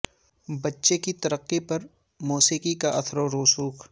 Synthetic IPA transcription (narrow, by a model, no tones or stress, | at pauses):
bɐtːʃekit̪ɐɾəqːipɐɾ | muːsiːkikaʔɐt̪ʰɾoɾoːsuːk